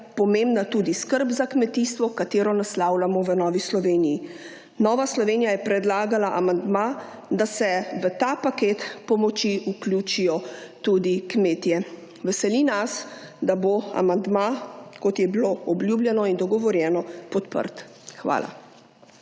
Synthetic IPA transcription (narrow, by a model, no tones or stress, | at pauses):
pɔmembnat̪uːd̪iskəɾbzakmɛt̪ist̪ʋɔkat̪eːɾɔnaslaːwlamɔʋənɔːʋislɔʋeːniji | nɔːʋaslɔʋeːnijajɛpɾɛd̪laːɡalaʔamand̪ma | d̪asɛʋət̪aːpaket̪pɔmɔt͡ʃiʔuklʲjut͡ʃijɔt̪uːd̪ikmeːt̪jɛ | ʋɛsɛlinas | d̪aboa̰mand̪makɔt̪jɛbiloɔbljuːblʲjɛnɔind̪ɔɡɔʋɔɾjɛːnɔpɔt̪pə̰ɾt̪ | xʋa̰ːla̰